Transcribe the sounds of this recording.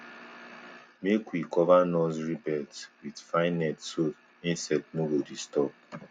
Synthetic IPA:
mekwikɔvanɔsɹibɛtwidfaɪ̃nɛtso | ĩnsɛtnoɡodistɔp̚

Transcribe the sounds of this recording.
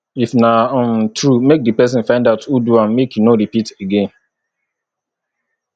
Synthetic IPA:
ifnãmtʰɹumek̚dɨpɛs̬ɪ̃nfãɪ̃ndaʊtʰuduãnmekjunoɾipiteɡẽn

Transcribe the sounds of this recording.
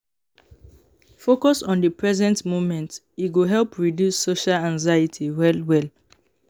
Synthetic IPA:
fokɔsɔ̃ndəpɹɛzɛ̃ntmomɛ̃nt | itɡoɦɛlpɹidjusːoʃalãŋzaɪitʰiwɛlwɛl

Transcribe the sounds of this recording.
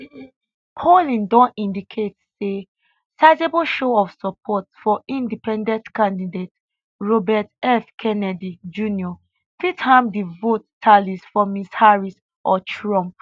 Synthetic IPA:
kʰɔlĩndɔ̃nĩndikʰetse | saɪd͡ʒebɔlʃoɔfsɔpʰɔtfɔʔĩndipɛ̃ndɛ̃ntkãndidet | ɹobɛtɛfkʰɛnɛdid͡ʒũniɔ | fithãmdivottʰːalisfɔmishaɹis | ʔɔtʰɹɔ̃mp̚

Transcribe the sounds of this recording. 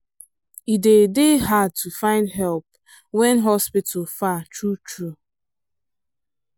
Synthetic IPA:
idedeɦad̚tʰufãɪ̃ndɦɛlp̚ | wɛ̃nɦɔspitʰʊfatɹutɹu

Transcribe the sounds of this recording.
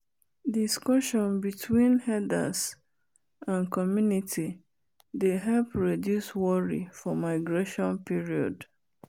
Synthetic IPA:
diskɔʃɔ̃nbitʰwĩnhɛda̰s | ãnkɔmjunitʰi | deɦɛlpɹidjuswɔɹḭfɔmaɪɡɹeʃɔ̃npiɹiɔ̰d

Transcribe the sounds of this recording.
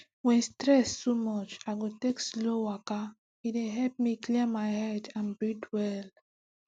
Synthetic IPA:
wɛ̃nstɹɛstumɔt͡ʃaɪɡotekslowaka | ideɦɛlp̚miklimaɪhɛdãnbɹidwɛl

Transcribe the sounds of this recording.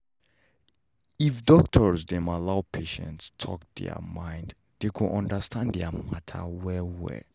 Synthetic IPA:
ifdɔk̚tʰəɹsdɛ̃malawpʰeʃɛ̰̃ntstʰɔ̰k̚dɛ̰ə̰mãj̃nd | dekʰuʔɔ̃ndəstʰãnddɛamatʰə̰wɛwɛ̰

